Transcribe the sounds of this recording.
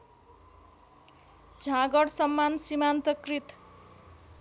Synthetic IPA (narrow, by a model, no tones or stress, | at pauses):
d͡zʱãɡʌɽsʌmːansimant̪ʌkrit̪